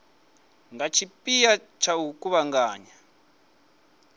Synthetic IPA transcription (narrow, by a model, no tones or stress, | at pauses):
ŋɡat͡ʃʰipʼija | t͡ʃʰaukuβaŋɡaːɲa